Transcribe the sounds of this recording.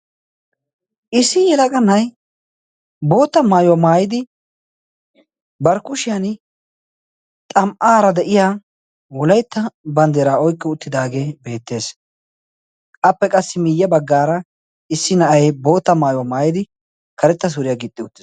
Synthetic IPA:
ʔɪsːɪjɛlɐkʼɐnːɐj | bo̞ːt̪ːɐmaːjʊwamaːjɪd̪ɪ | bɐɾkʊʃɪjan | t̪ʼɐmʔaːɾɐd̪ɛʔɪjaː | wɔlɐjt̪ːɐbɐnd̪eːɾaːɔjkʼːɪʊt̪ːɪd̪aːɡe̞ːbe̞ːt̪ːe̞ːs | ʔɐpːɛkʼɐsːɪmɪjːɐbɐɡːaːɾɐ | ɪsːɪnɐʔɐjbo̞ːt̪ːɐmaːjʊwamaːjɪd̪ɪ | kɐɾɛt̪ːɐs̬ʊɾɪjaːɡɪt̪ʼːɪʊt̪ːɪ̥s

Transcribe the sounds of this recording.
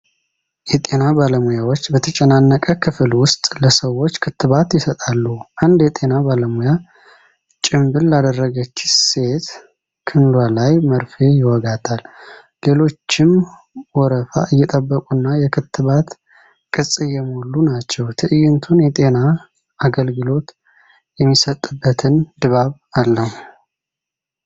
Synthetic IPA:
jɛt̪ʼe̞nabaləmujawo̞t͡ʃːbət̪ʰət͡ʃʼɛnanːəkʼəkʰɨfɨlwʊst̪ʼləsəwo̞t͡ʃːkʰɨt̪ːɨβat̪jɪsət̪ʼalːuʔand̪jɛt̪ʼe̞nabaləmuja | t͡ʃʼɪmbɨllad̪ərːəɡət͡ʃːse̞t̪ | kʰɨnlwalajməɾfejɪwɔɡat̪ʰalː | e̞lo̞t͡ʃːɪm | wɔɾəfa̰ʔɨjːɛt̪ʼəbːəkʼunːajɛkʰɨt̪ʰːɨβat̪ | kʼɨsʼɨjːɛmolːunat͡ʃːɛwt̪ʰɨʔɨjɪnt̪ʰunjɛt̪ʼe̞na | aɡəlɡɨlo̞t̪ | jɛmːisət̪ʼːɨbːət̪ʰɨnd̪ɨβaβalːəhu

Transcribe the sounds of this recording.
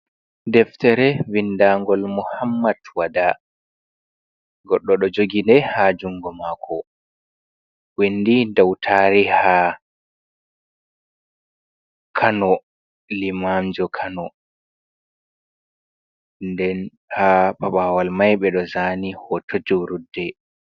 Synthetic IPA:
dɛftɛɾɛvindaŋɡɔlmɔhamːatwada | ɡɔɗːɔɗɔd͡ʒoɡindɛhad͡ʒuŋɡɔmakʰɔ | windidawtʰaɾiha | kʰanɔ | limamd͡ʒɔkʰanɔ | ndɛn | hapaɓaːwalmajɓɛɗɔzaːnihɔtʰod͡ʒuɾudːɛ

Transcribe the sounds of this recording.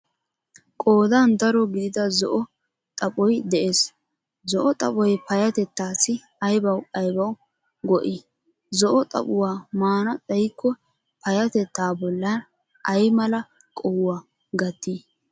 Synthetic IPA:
kʼoːd̪and̪ɐɾɔɡɪd̪ɪd̪ɐzɔʔɔ | t̪ʼɐpʼɔjd̪ɛʔeːs | zɔʔɔt̪ʼɐpʼɔjpɐjɐt̪ɛt̪ːaːsɪ | ɐjbɐwɐjbɐw | ɡɔʔɪ | zɔʔɔt̪ʼɐ̰pʼʊwaːmaːnɐt͡sʼɛjkːɔ | pɐjɐt̪ɛt̪ːaːbɔlːɐn | ʔɐjmɐlɐ | kʼɔwwaː | ɡɐt̪ːiː

